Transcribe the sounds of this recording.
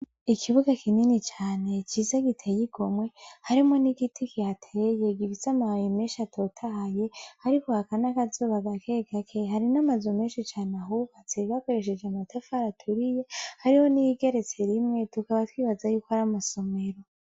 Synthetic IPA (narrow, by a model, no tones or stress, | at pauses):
ikʰiβuɡakʰininit͡ʃaːne̞t͡ʃiːzaɡitʰejiɡ̥o̞mwe̞haɾimŋo̞niɡitʰikihatʰeje̞ɡifisamahajime̞ːnʃiatʰo̞tʰahje̞haɾiko̞hakanakazoβaɡakeɡakʰeɦaɾinamazume̞ːnʃit͡ʃaːnaɦuβat͡seβako̞ɾe̞ʃ̬e̞d͡ʒeamatʰafaɾatʰuɾije̞haɾiho̞nijiɡe̞ɾe̞t͡se̞ɾimŋe̞tukaβatwiːβazajuːkohaɾamaso̞me̞ɾo̞